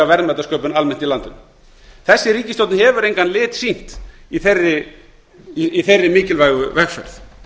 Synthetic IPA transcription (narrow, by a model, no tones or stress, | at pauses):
avɛɾðmɛt̪askœːpʏnalmɛn̥t̪ilant̪ʏm | θɛsːɪɾiːcɪst̪owt̪nɪhɛvʏɾejŋkanlɪːt̪sin̥t̪iθerːɪ | iθejrːɪmɪːcɪlvajɣʏvɛxfɛ̰ɾθ